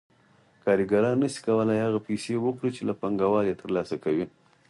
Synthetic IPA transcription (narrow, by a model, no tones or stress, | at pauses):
kɑɾiɡaɾɑnːəsi̥kawəlajhaɣapesewəkɽit͡ʃelapaŋɡawɑɾjet̪əɾlɑsakawi